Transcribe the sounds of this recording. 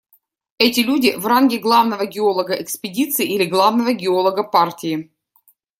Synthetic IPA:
ɛtʲɪlʲudʲɪvranɡʲɪɡlˠavnəvəɡʲɪolˠəɡəʔɛkspʲɪdʲit̪sɨːʔilʲɪɡlˠavnəvəɡʲɪolˠəɡəpartʲɪɪ

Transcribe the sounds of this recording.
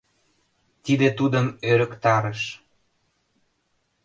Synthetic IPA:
t̪id̪et̪ud̪əmøɾə̆kt̪ɑɾəʃ

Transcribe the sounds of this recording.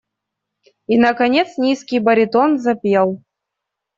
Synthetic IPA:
inɐkɐnʲet̪snʲiskʲijbɐɾʲɪt̪onzɐpʲjelˠ

